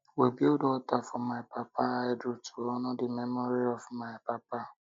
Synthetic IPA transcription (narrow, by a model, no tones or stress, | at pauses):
webiodɔtafɔmaɪpapaajdɾutuɔnɔdɪmemɔɾiɔvmaɪpapa